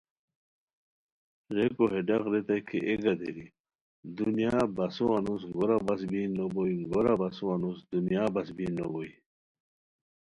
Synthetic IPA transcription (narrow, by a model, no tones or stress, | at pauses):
ɾekoɦeɖaqɾet̪akʰeʔeɡad̪ḛɾi | d̪unjaːbɐsowanusɡoɾabas̬biːnːobojɡoɾabasuanusd̪unjaːbɐsbinnoboj